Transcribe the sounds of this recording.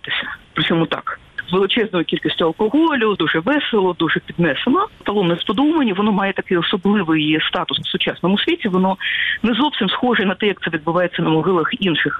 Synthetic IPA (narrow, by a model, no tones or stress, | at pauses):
t̪ɪsʲɐ̥pɾɪt͡sʲɔmut̪ɑ̰k | zʋelˠɪt͡ʃɛznɔjʊkʲilʲkʲisʲtʲʊɐlˠkɔɦɔlʲʊd̪uʐɛʋɛselˠɔd̪uʐɛpʲid̪̚nɛsenɔpɐlˠɔmnɛspɔd̪umɐnʲiʋɔnɔmɑjɛt̪ɐkɪjɔsɔblˠɪʋɪjst̪ɑt̪ʊsfsʊt͡ʃɑsnɔmʊsʲʋʲitʲiʋɔnɔnɛzɔwsʲimsxɔʐɛnɐt̪ɛjɐk̚t̪sɛʋʲid̪̚bʊʋɑjet͡sʲːɐnɐmɔɦɪlˠɐxinʃɪx